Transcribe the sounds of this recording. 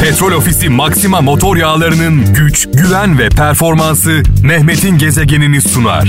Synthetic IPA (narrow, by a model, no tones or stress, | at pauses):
pʰɛt̪ɾo̞lʲo̞fisimaksimamo̞t̪ʰo̞ɾjaːlˠaɾɯnɯnɟyt͡ʃɟyvænvɛpʰæɾfo̞ɾmansɯnɛhme̞t̪ʰinɟe̞zeɟe̞ninist̪una̰ɾ̥